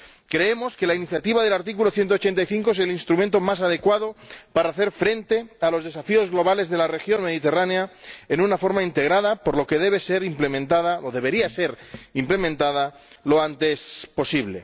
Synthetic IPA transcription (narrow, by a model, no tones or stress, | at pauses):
kɾe̞emo̞ske̞lainiθjat̪iβaðe̞laɾt̪ik̬ulo̞θjent̪ot͡ʃe̞nt̪ajθiŋkoes̬elinst̪ɾumẽnt̪omas̬að̞e̞kwaðopaɾaːθe̞ɾfɾe̞nt̪e̞alo̞zðe̞safio̞zɣlo̞β̞ale̞zðe̞lare̞xjo̞nme̞ðit̪e̞raneaenunafo̞ɾmaint̪e̞ɣ̞ɾað̞apo̞ɾlo̞ke̞ð̞e̞β̞ese̞ɾimplemẽnt̪aðaoðe̞βe̞ɾiase̞ɾimplemẽnt̪að̞a | lo̞ant̪e̞spo̞siβle̞̰